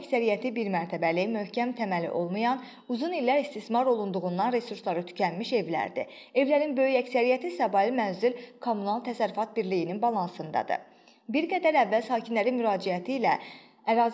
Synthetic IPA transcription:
csæɾijæt̪ʰibiɾmæɾt̪ʰæbælimøhcʰæmt̪ʰæmælḭʔo̞lˠmujɑn | uzunilːæɾist̪ismɑɾo̞lˠund̪uɣund̪ɑnɾe̞suɾslˠɑɾɯt̪ʰy̥cʰænmiʃe̞vlæ̰ɾd̪ḭ | e̞vlæɾinbø̞jyæcsæɾijæt̪ʰisɑbɑlˠimænzylkʰomːunɑlˠt̪ʰæsæɾːyfɑt̪̚biɾlijininbɑlˠɑnsɯnd̪ɑ̰d̪ɯ̰ | biɾɡæd̪æɾævːælsɑːcʰinlæɾinmyɾɑːd͡ʒiæt̪ʰiːlæ | æɾɑːz

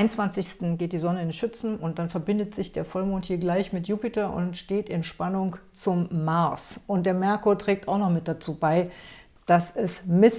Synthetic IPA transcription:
ɪnnt͡sv̥ant͡sɪçstn̩ɡeːt̚d̥iːzɔnəɪnʃʏt͡sn̩ʊntd̥anfɛɐbɪndətz̥ɪçd̥eːɐfɔlmoːnthiːɐɡlaɪçmɪtjuːpɪtɐʔʊ̰ntʃteːtɪnʃpanʊŋt͡sʊmːaɐsʊntd̥eːɐmɛɐkotʁ̥ɛːk̚tʰaʊxnɔχmɪt̚d̥at͡suːbaɪ | d̥asɛsmɪs

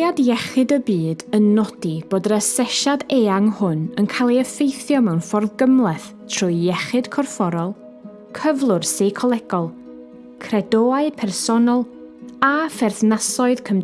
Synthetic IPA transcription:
adjɛχɪdəbiːdənːɔdib̥oːdrəsɛʃadeːaŋhʊnənkʰalˠiəfejθjɔmɛwnfɔrðɡəmlˠɛθtʰr̥ʊjjɛχɨd̥kʰɔrfɔɾɔlˠ | kʰəvlˠʊrseːkʰɔlˠɛɡ̥ɔlˠ | kʰrɛdoːaɨpʰɛrsɔnɔlˠ | afɛrθnasɔɨðkʰəm

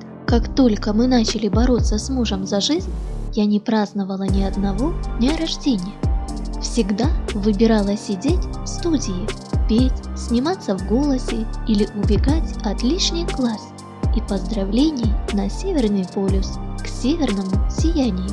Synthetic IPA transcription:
kakt̪o̞lʲkəmɨnat͡ɕɪlʲɪbɐɾo̞t̪səsmuʐəmzɐʐɨzʲnʲjanʲɪpɾaznəvəlˠənʲɪɐd̪nɐvo̞dnʲɐɾɐʐdʲenʲɪjəfsʲɪɡd̪avɨbʲɪɾalˠəsʲɪdʲetʲfst̪udʲɪjɪpʲetʲsʲnʲɪmat̪səvɡo̞lˠəsʲɪilʲɪʔʊbʲɪɡatʲɐt̪lʲiʂnʲɪjklˠas | ipəzd̪ɾɐvlʲenʲɪjənɐsʲevʲɪrnɨjpolʲʊsksʲevʲɪrnəmʊsʲɪjænʲɪjʊ

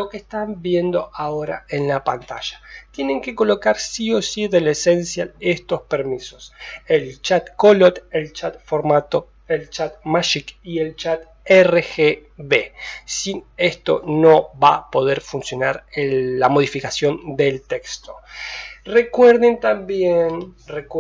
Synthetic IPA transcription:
lokest̪ambje̞nd̪o̞ʔaoɾa̰e̞nlapant̪a̰ʒ̥ḁt̪jene̞ŋke̞ko̞lo̞kaɾsio̞siðelesensjalest̪o̞speɾmiso̞selt͡ʃat̪kolot̪elt͡ʃat̪̚foɾmat̪o̞ | elt͡ʃat̪maʃikielt͡ʃat̪ | erexeβesinest̪o̞̰no̞βapo̞ð̞eɾfunsjo̞naɾeːamo̞ð̞ifikasjo̞nd̪elt̪ekst̪o | re̞kweɾðent̪ambjenrek

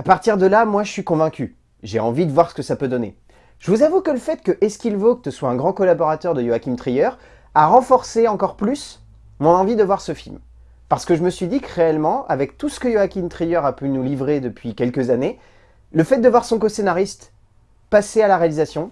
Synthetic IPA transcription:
apaʁt̪iʁd̪əlamwaʒəsɥikɔ̃vɛ̃kʲy | ʒeɑ̃vid̪əvwaʁsə̥kəsapød̪ɔnḛ | ʒ̥əvuzavukələfɛt̪kəʔɛskʲilvok̚t̪əswaɛ̃ɡʁɑ̃kɔlabɔʁat̪œʁd̪əjoakʲimt̪χijœʁ | aʁɑ̃fɔʁseɑ̃kɔʁplys | mɔ̃nɑ̃vid̪əvwaʁsəfilm | paʁsə̥kəʒəməsɥid̪ikʁeɛlmɑ̃avɛk̚t̪usə̥kəjoakʲimt̪χijœʁapynulivʁed̪əpʰɥikʲɛlkəzane | ləfɛt̪̚d̪əvwaʁsɔ̃kosenaʁist̪ | pasealaʁealizasjɔ̃

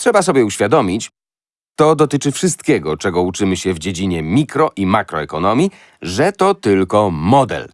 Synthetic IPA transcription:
tʂɛbasɔbʲjɛuɕfʲjad̪ɔmʲit͡ɕ | t̪ɔd̪ɔt̪ɘt͡ʂɘfʂɘst̪̚kʲɛɡɔt͡ʂɛɡɔut͡ʂɘmɘɕɛvd͡ʑed͡ʑiɲɛmʲikɾɔʔimakɾɔɛkɔnɔmʲji | ʐɛt̪ɔt̪ɘlkɔmɔd̪ɛ̰l

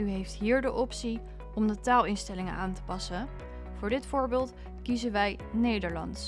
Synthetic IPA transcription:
yɦejftɦiːɹdəʔɔpsi | ɔmdətaːlˠɪnstɛlɪŋənʔaːntə̥pɑsə | v̥ʊːɹdɪtfʊːɹbɪːlˠt | kizənʋɛj | nejdəɹlɑ̰nts

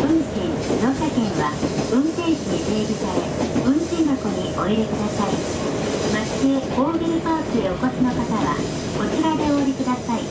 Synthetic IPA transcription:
ɯ̟̃nɕĩŋsid̪oːɕakẽ̞ɰ̃βaɯ̟̃nt̪ẽ̞ɰ̃ɕiɲit̪eːɡʲisaɾe̞ɯ̟̃nɕĩnd̪oko̞ɲ̟io̞iɾekɯd̪asai | masi̥kɯekoːɡʲiɾɯpaːtɨeoko̞sɨno̞kat̪aβa̰ | ko̞tiɾad̪e̞o̞ːɾʲikɯ̟d̪asai

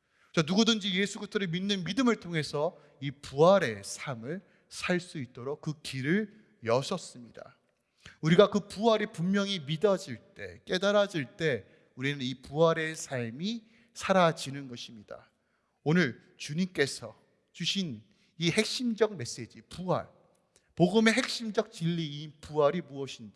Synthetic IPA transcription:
t͡ɕanuɡudɯnd͡ʑije̞sʰuɡutʰɯɾominːɯnmidɯmɯɭtʰoŋɦe̞sʰʌ | ipuɦaɾe̞sʰamɯɭ | sʰaɭs͈uit̚t͈oɾok̚k͈ɯkiɾɯɭ | jʌsʰʌs͈ɯmɲida̰ | uɾiɡakɯpuɦaɾipumːjʌŋimidʌd͡ʑiɭt͈e̞̰k͈e̞daɾad͡ʑiɭt͈e̞ | uɾinɯnipuɦaɾe̞sʰaɭmi | sʰaɾad͡ʑinɯnɡʌɕʰimɲida̰ | onɯɭ | t͡ɕuɲimk͈e̞sʰʌ | t͡ɕuɕʰin | ihe̞k̚ɕ͈imd͡ʑʌɡ̚me̞s͈e̞d͡ʑipua̰ɭ | poɡɯme̞ɦe̞k̚ɕ͈imd͡ʑʌk̚t͡ɕiʎːiːpuɦaɾimuʌɕʰinda

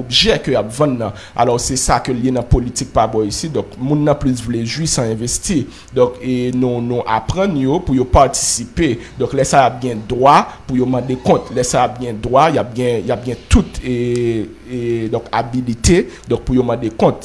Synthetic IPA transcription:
obʒɛkøjapvãnːã | a̰lɔʁsɛsakøljenɐ̃polit̪ik̚pabɔisid̪ɔ̃kmũnːɐ̃plysvuleʒwisãɛ̃vest̪i | d̪ɔ̃kenũnũʔa̰pʁɐ̃njopujopaʁt̪ʰi̥siped̪ɔ̃klɛsajap̚ɡɛ̃d̪ʁwapujomɑ̃d̪ekɔ̃t̪lɛsajap̚ɡɛ̃d̪ʁwajap̚ɡɛ̃jap̚ɡɛ̃t̪ut̪ | d̪ɔ̃ka̰bilit̪ed̪ɔ̃k̚pujomɑ̃d̪ekɔ̃t̪

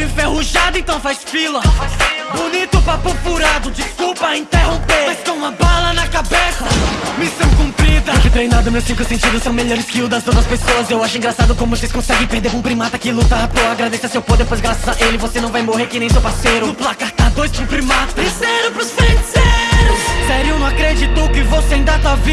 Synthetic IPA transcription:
ẽfehuʒad̪ʊẽnt̪ɐ̃w̃fajsfilɐfajsbunit̪ʊpapupuɾad̪ʊd͡ʒiskuwpɐĩt̪eɦõpeɾmajskõũmɐbalɐnɐkabesɐmisɐ̃w̃kũmpɾid̪ɐkɪt̪ɾẽjnad̪ʊmewsĩkʊsẽnt͡ʃid̪ʊsɐ̃w̃meʎɔɾɪskɪud̪ɐzot̪ɾɐspesoɐzewaʃʊĩŋɡɾasad̪ʊkõmʊvoseskõsɛɡẽj̃peɾd̪eɾpũpɾimat̪ɐkɪlut̪apoaɡɾad̪esɐsewpod̪epojzɡɾasɐzaʔelɪvosenɐ̃w̃vajmoheɾkɪnẽj̃sewpaɾsejɾʊ̃plakat̪ad̪ojspĩpɾimat̪seɾʊpɾʊsfeseɾʊssɛɾjũnɐ̃w̃akɾed͡ʒit̪okɪvoseaĩnd̪at̪avi

